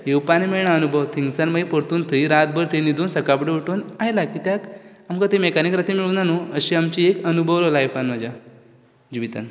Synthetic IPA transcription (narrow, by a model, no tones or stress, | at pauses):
ɦewpanemeɭɳaənubʱəʋt̪ʰiŋɡsanməipəɾt̪uːnt̪ʰəiɾat̪̚bəɾt̪ẽnid̪ʱuːnsəkapɽəʋuʈuːnajlakiːt̪jak | amkat̪emekanikɾat̪imiɭunanuəɕiamt͡ɕiekənubʱəʋlolajfanmad͡ʑa | d͡ʑiʋit̪a̰n